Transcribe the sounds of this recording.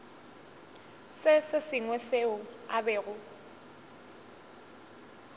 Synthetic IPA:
sɪsɪsɪŋwɛseʊa̰bɛːɣʊ

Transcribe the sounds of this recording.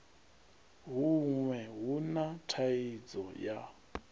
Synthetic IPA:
ɦuŋwɛɦunatʰaid͡zɔja̰

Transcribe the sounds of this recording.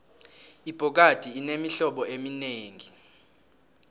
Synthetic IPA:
ib̥ʱɔk̬ad̥ʱiːnemiɬɔɓɔʔemineːŋi

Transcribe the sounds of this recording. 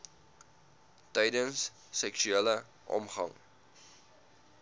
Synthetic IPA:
tɛjdənsː | ɛkʃyelə | ʔɔ̰mχɐ̰ŋ

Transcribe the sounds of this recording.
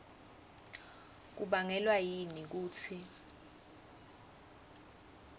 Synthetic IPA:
k̬uɓaŋɛlwajinik̬uːt͡sʰi

